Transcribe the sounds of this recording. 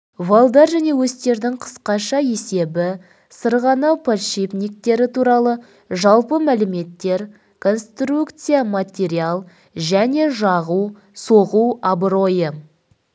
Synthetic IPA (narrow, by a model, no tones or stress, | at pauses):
valˠd̪ɑɾʒæne̞wɵst̪e̞ɾd̪ɪŋqʰə̥sqɑʃɑje̞se̞bɪ | səɾʁɑnɑwpʰaʃipnik̚t̪e̞ɾɪt̪ʰuɾɑlˠə | ʒɑlˠpəmælɪme̞t̪ːe̞ɾ | kʰo̞nst̪rukt̪sɨjamat̪ʲe̞ɾialˠ | ʒæne̞ʒɑʁu | so̞ʁuabɾo̞jə